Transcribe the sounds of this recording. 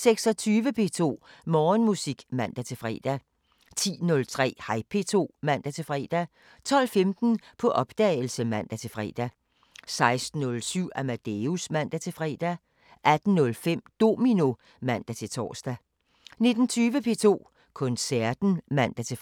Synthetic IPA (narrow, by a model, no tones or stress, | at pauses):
seɡ̥sɒ̽t͡sʰyːʋəpʰe̝ːt͡sʰo̝̰ːmɒːnmusiɡ̥mæn̰d̥æt͡sʰe̝fʁɛ̰ːd̥æ | t͡sʰḭːnɔ̽lt͡sʰʁɛ̰ːhɑ̈ɪpʰe̝t͡sʰo̝̰ːmæn̰d̥æt͡sʰe̝fʁɛ̰ːd̥æ | t͡sʰɒ̽l̰femd̥n̩pʰɒ̽ʔɒ̽b̥d̥ɛl̩səmæn̰d̥æt͡sʰe̝fʁɛ̰ːd̥æ | sɑ̈ɪsd̥n̩ːɔ̽lsyʊ̰æmæd̥eusmæn̰d̥æt͡sʰe̝fʁɛ̰ːd̥æ | ʔæd̥n̩nɔ̽lfem̰d̥o̝̰ːmino̝ | mæn̰d̥æt͡sʰe̝t͡sʰɒ̰ːsd̥æ | ne̝d̥n̩t͡sʰyːʋəpʰe̝̰t͡sʰo̝̰ː | kʰɔ̽nsæɐ̰d̥n̩mæn̰d̥æt͡sʰe̝